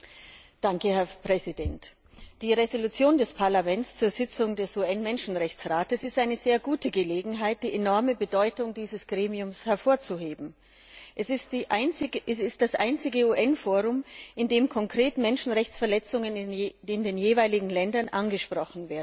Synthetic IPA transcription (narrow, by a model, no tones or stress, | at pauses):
d̥aŋkəhɛɐpʁ̥ɛzidɛnt | d̥iːʁezolut͡sjoːndɛspʰaɐlamɛnst͡suːɐzɪt͡sʊŋdɛsʔuːɛnmɛnʃn̩ʁɛçt͡sʁaːtəsɪstʔaɪnəzeːɐɡuːtəɡəleːɡŋ̩ɦaɪt̚d̥iːʔenɔɐməbədɔʏtʊŋd̥iːzəsɡ̥ʁeːmiʊmshɛɐfoːɐt͡suɦeːbm̩ | ʔɛss | ɛsɪst̚d̥asʔaɪnt͡sɪɡəuːʔɛnfoːʁʊmʔɪndeːmkʰɔŋkʁ̥eːtmɛnʃn̩ʁɛçt͡sfɛɐlɛt͡sʊŋənɪndeːnjeːvaɪlɪɡŋ̩lɛndɐnʔanɡəʃpʁ̥ɔχn̩veːɐdn̩